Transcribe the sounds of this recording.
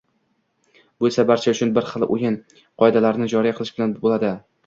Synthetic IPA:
boesabaɾt͡ʃʰaʊt͡ʃʰʊnbɪɾχɨlˠʔojɪn | qʰɒjd̪alaɾnɪd͡ʒɒɾijqʰɨlˠɪʃbɪlanbolad̪ɪ

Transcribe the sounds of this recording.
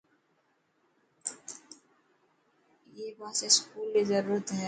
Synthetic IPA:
jeːbãseskuːlmizəɾuːɾət̪ɦɛː

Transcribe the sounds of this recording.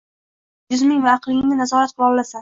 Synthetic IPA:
jʊzmɪŋvaːqlˠɪɪŋnɪnazɒɾat̪̚qʰʊlˠɒlˠlasa

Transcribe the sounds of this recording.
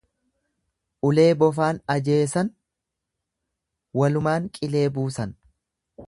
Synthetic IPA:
ʔʊle̞ːbɔf̬aːnɐd͡ʒe̞ːsɐn | wɐlʊmaːŋkʼɪle̞ːbuːsɐn

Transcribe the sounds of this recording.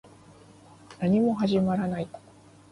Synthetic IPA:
naɲ̟imo̞ɦaʑimaɾanai

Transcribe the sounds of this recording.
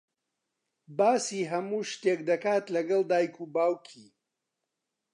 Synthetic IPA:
baːsiːɦɐmuːʃt̪eːkd̪ɐkaːt̪lɐɡɐlˠd̪aːjkʰuːbaːwkʰiː

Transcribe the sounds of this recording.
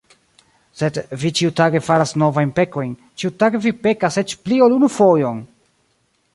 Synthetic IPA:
se̞dvit͡ʃiutaɡe̞faɾasno̞vajnpe̞ko̞jn | t͡ʃiutaɡevipe̞kase̞t͡ʃplio̞lunufo̞jon

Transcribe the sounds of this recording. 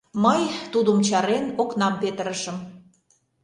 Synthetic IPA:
məjt̪ud̪əmt͡ɕɑɾenoknɑmpet̪əɾəʃə̆m

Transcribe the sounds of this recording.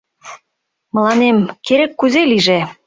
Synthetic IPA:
mə̆lɑnemkeɾekːyzeliʒe

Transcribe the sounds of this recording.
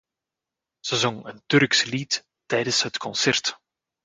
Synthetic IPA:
z̥əzɔŋəntɵrksəlit | tɛjdəsɦətkʰɔnsɛrt

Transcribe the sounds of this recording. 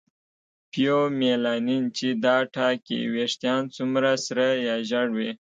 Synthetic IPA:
pjomelɑnint͡ʃid̪ɑʈʰɑkḭweʂt̪jɑnt͡sumɾasɾəjɑʒaɽwi

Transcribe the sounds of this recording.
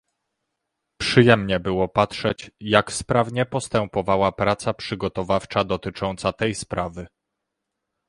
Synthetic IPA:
pʂɘjɛmɲɛbɘwɔpatʂɛt͡ɕjakspɾavɲɛpɔst̪ɛmpɔvawapɾat̪sapʂɘɡɔt̪ɔvaft͡ʂad̪ɔt̪ɘt͡ʂɔnt̪sat̪ɛjspɾavɘ

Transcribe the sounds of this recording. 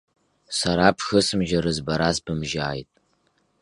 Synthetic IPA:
saɾapʰxɨsɨmʒaɾɨzbaɾazbɨmʒaːjtʼ

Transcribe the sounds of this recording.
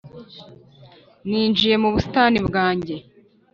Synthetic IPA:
niːnd͡ʒije̞muβusi̥taːnibɡaːɲɟe̞

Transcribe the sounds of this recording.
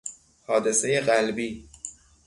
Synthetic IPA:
hɒːd̪e̞se̞je̞ɢælbiː

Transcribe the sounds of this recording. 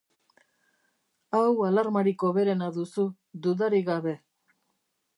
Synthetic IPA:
awalaɾmaɾiko̞βe̞ɾe̞naðusu | d̪uðaɾiɣaβe̞

